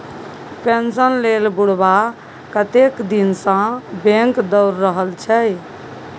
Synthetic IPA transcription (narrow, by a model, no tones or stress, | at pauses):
pensənlelbuɽba | kət̪ekd̪insə̃bẽŋkd̪ɔʊɾːəɦəlt͡ʃʰɛ